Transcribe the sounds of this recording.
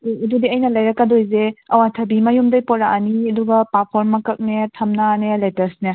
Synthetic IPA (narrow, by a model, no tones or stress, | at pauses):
dudiɐjnɐlɐjɾɐkːadojzeɐwatʰɐbimɐjumdɐjpɔɾaʔaniɐduɡɐpat̚pʰoɾmːɐkɐk̚netʰɐmnaneletɐɾsne